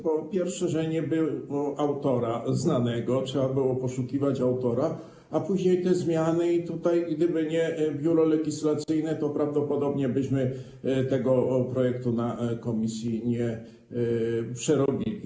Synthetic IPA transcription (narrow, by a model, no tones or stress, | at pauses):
bɔpʲjɛɾfʂɛʐɛɲɛbɘɔʔawt̪ɔɾaznanɛɡɔtʂɛbabɘwɔpɔʂukʲivat͡ɕawt̪ɔɾa | apuʑɲejt̪ɛzmʲjanɘit̪ut̪ajɡd̪ɘbɘɲɛbʲjuɾɔlɛɡʲislat̪sɘjnɛt̪ɔpɾavd̪ɔpɔd̪ɔbɲɛbɘɕmɘ | t̪ɛɡɔpɾɔjɛkt̪unakɔmʲisʲjiɲɛ | pʂɛɾɔbʲilʲḭ